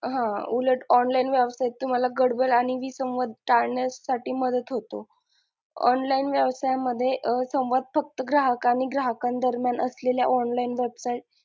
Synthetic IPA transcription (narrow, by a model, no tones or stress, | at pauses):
ɦãuləʈɔnlainʋjəʋsajet̪ːum̤alaɡəɽbəlaɽ̃iʋiːsə̃wʋad̪̚ʱʈaɭɳjasaʈiːməd̪ət̪ɦot̪o̰ | ɔ̰nlainʋjəʋsajaməd̪ʱːjeʔsə̃w̃ʋad̪̚fək̚t̪əɡɾaɦəkaɽ̃iɡɾaɦəkãnd̪əɾmjanəslelja̰ʔɔnlainʋebsaiʈ̚